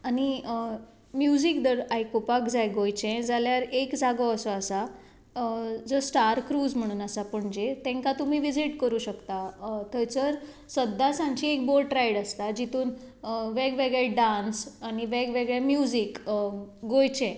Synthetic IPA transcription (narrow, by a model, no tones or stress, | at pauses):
añi | mjud͡zikd̪əɾajkopakd͡zʱajɡojt͡ɕɛ̃d͡zaljaɾekd͡zaɡəəsɔasa | d͡zəsʈaɾkɾuːd͡zm̤əɽ̃uːnasapəɳd͡ʑet̪ɛ̃ŋkat̪umiːʋid͡ziʈkəɾuːɕəkt̪at̪ʰəjt͡səɾ | səd̪ʱːasãɲt͡ɕiːek̚boɾʈɾajɽəst̪ad͡ʑit̪uːn | ʋɛɡʋeɡɭɛɖãnsañiʋeɡʋeɡɭemjud͡zik | ɡojt͡ɕɛ̃